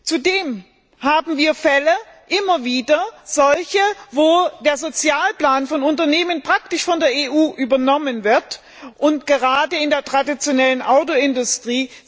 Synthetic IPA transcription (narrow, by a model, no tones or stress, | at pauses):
t͡sudeːm | haːbm̩viːɐfɛlə | ʔɪmɐviːdɐz̥ɔlçəvoːd̥eːɐzot͡sjaːlplaːnfɔnʊntɐneːmənpʁ̥ak̚tɪʃfɔndeːɐeːʔuːʔyːbɐnɔmənvɪɐt | ʔʊntɡ̥əʁaːdəɪndeːɐtʁ̥adit͡sjonɛlənʔaʊtoɪndʊstʁ̥iː